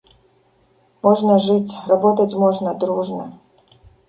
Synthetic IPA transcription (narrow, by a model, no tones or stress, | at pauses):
mɔʐnɐʐɨt͡sʲrɐbɔt̪ɐt͡sʲmɔʐnɐd̪ɾuʐnɐ